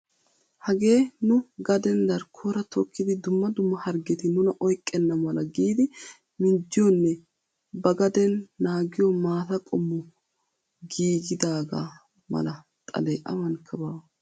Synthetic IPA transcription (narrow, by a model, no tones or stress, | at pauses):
hɐɡe̞ːnʊɡɐd̪ɛnd̪ɐɾkʰoɾɐt̪ʰɔkːɪd̪ɪd̪ʊmːɐd̪ʊmːɐhɐɾɡɛt̪ɪnʊnɐʔɔjkʼːɛnːɐmɐlɐɡiːd̪ɪ | mɪnd͡ʒːɪjɔnːɛ | bɐɡɐd̪ɛnːaːɡɪjɔmaːt̪ɐkʼɔmːʊ | ɡiːɡɪd̪aːɡa̰ | mɐ̰lɐ | t̪ʼɐ̰lɛːʔɐ̰mɐnkʰːɐbɐw